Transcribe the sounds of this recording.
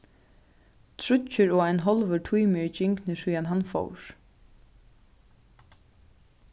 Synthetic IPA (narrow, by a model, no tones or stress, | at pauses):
t̪ʰɾʊt͡ʃːʏɾɔːajnɦɔlʋəɹʈʰujmɪt͡ʃɪŋknɪsujanɦanfɔ̰wɾ̥